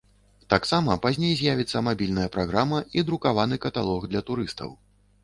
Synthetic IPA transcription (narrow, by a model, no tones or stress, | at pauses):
t̪aksamɐpazʲnʲejzʲjavʲit̪sːɐmabʲilʲnɐjɐpɾaɣɾamɐid̪ɾukavanɨkɐt̪a̰lˠɔɣd̪lʲɐt̪uɾɨst̪ɐ̰w